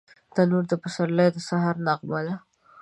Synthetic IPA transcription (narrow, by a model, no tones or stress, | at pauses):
d̪̥anuɾd̪əpəsaɾlajd̪əsaɦaɾnaɣmala